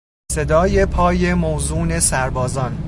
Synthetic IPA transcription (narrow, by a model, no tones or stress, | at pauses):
se̞d̪ɒːje̞pʰɒːje̞mowzuːne̞sæɾbɒːzɒn